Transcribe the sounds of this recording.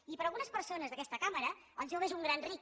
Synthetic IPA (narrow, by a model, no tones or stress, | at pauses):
ipəɾəlˠɣunəspəɾsonəzðəkɛst̪əkaməɾəəlˠʒoβezuŋɡɾanri